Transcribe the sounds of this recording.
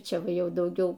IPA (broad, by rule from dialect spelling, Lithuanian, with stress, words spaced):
ˈt͡ʃʲɛ ˈʋɐ ˈjɛʊ dɐʊˈɡʲɛʊ